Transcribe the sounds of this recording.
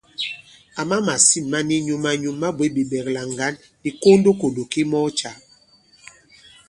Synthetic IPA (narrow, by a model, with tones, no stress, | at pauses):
a˨ma˦ma˨si˦˨mːa˦ni˦ɲu˨ma˦ɲu˦mːa˦bwe˨˦bi˨bɛ˨kla˨ŋ˨ɡa˨˦n | di˨ko˦ndo˦ko˨do˨ki˦mɔ˦t͡ʃa˨